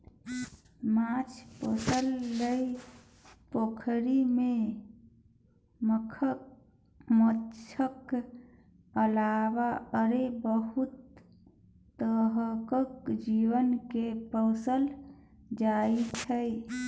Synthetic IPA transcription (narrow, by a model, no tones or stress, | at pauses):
mãt͡ʃʰposəlːəj | pokʰɾime | məkʰə | mət͡ʃʰək | əlabaəɾebəɦut̪ | əɦəkəkd͡ʒiwənkepəʊsəl | d͡ʒait͡ʃʰəj